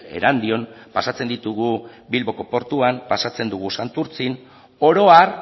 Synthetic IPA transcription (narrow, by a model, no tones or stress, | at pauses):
e̞̰ɾand̪io̞npasat͡se̞nd̪it̪uɣu | bilβo̞ko̞po̞ɾt̪uampasat͡se̞nd̪uɣ̞usant̪uɾt͡sin | o̞ɾo̞aɾ